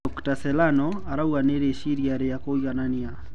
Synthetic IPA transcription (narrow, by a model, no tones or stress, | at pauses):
ɔktasɛlanɔaɾawaneɾeʃiɾjaɾejakoiɣanania